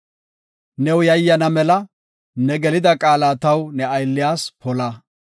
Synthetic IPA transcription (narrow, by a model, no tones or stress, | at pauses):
nɛwjɐjːɐnɐmɛlɐ | nɛɡɛlɪd̪ɐkʼaːlat̪ɐwnɛɐjlːɪjaːspɔlɐ